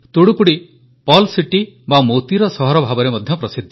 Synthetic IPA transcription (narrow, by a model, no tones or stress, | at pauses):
t̪uɽukuɽi | pɔlsiʈi | bamot̪iɾɔsɔɦɔɾɔbʱabɔɾemɔd̪ʱjɔpɾɔsid̪ʱːɔ